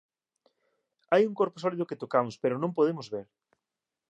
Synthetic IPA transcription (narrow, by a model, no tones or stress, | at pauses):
ajuŋkoɾposɔliðʊket̪okamʊspeɾonõmpoðemozβeɾ